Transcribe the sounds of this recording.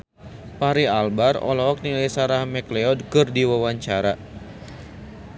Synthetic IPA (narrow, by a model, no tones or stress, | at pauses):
paɾialbarɔ̰lɔɔk̚nilasaɾahmɛklɛɔd̚kɨrdiwawaɲt͡ʃaɾa